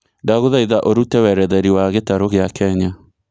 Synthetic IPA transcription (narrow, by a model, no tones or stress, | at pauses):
daɣoðaiðaʔoɾutɛwɛɾɛðɛɾiwaɣetaɾoɣeakʰɛɲa